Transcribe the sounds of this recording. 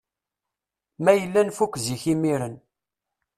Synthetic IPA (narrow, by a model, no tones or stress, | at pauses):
mæjəlːænfukʷːziçimiɾən